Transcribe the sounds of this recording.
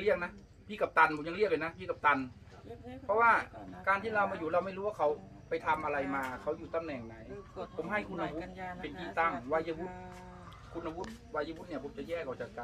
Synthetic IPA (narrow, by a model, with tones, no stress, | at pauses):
ŋli˧˩ək̚na˦˥ | pʰiː˧˩ka˧˩p̚t̪a˧npʰo˨˦ɲa˧ŋli˧˩kla˧jna˦˥pʰiː˧˩ka˨˧p̚t̪a˧n | pʰɔ˧˥waː˧˩kaː˧nt̪ʰiː˧˩laː˧wmaː˧juː˨˩˦laː˧wma˥˩jɾuː˦waː˧˩kʰa˧˦w | pa˧˩jt̪ʰa˧mʔa˧la˧jmaː˧kʰa˧˥˩wjuː˨˩t̪a˧˨mnɛː˨˩ŋna˨˦jpʰo˨˧˦mɦa˧˩jkʰu˧nha˧hu˧˦˥t̪̚pe˨nʔʰiː˧˩t̪a˧˥˩ŋwaː˧ja˧hu˧˥t̪̚ | kʰu˧nːa˧bu˧˦˥t̪̚waː˧˩ja˧˩wu˦˥t̪̚ni˧˩ɐpʰo˨˦mt͡ɕa˨jɛː˧˩kʰa˧˩wt͡ɕa˨˧˩k̚ka˧